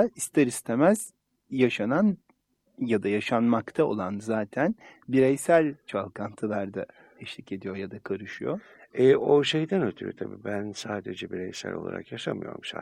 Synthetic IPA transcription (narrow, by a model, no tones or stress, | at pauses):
aist̪ʰɛɾist̪ʰemæz̥ | jaʃanan | jad̪ajaʃanmakt̪ʰao̞̰lˠanzaːt̪ʰænbiɾejsælʲt͡ʃʰalˠkʰant̪ʰɯlˠaɾd̪a | t̪ʰɛʃlʲice̞d̪ijo̞jad̪akʰaɾɯʃɯjo | ɛoʃejd̪ænøt̪ʰyɾy̰t̪ʰabiːbænsaːd̪ed͡ʒɛbiɾejsæ̰lʲʔo̞̰lˠa̰ɾa̰kjaʃamɯjo̞̰ɾumʃa̰